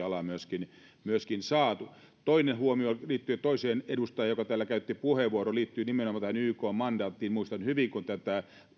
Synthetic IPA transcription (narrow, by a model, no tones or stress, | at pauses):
ɑlɑmyøskin | myøskinsɑːt̪u | t̪oinenhuomioliːt̪ːyøt̪oiseːnedust̪ɑjɑjokɑt̪æːlːækæyt̪ːipuheʋʋuoɾoliːt̪ːyːnimenomɑt̪æhænyːkoːmmɑndɑːt̪ːiːnmuist̪ɑnhyʋiŋkunt̪æt̪æ